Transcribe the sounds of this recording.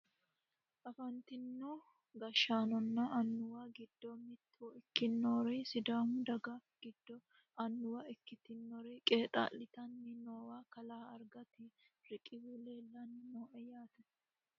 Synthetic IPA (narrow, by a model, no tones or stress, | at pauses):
ʔɐfɐnt̪ɪnːu | ɡɐʃaːnɔnːɐʔɐnːʊwaːɡɪd̪ːɔmɪt̪ʰːuɪkːɪnːoːɾɛsɪd̪aːmʊd̪ɐɡafɡ̥ɪd̪ːɔ | ɐnːʊwaɪkːɪt̪ɪnːɔɾɛkʼe̞ːt̪ʼa̰ːlːɪt̪ɐnːɪnoːwaːkɐlaːɐɾɡɐt̪ɪɾɪkʼːɪzuleːlːɐnːɪnoːʔɛjaːt̪ɛ